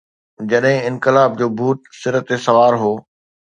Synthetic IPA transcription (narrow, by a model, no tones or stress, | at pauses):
d͡ʑɐɗɦɪ̃ɪ̃nkɪlaːb̚d͡ʑoːbʱuːt̪sɪɾət̪esɐʋaːɾɦoː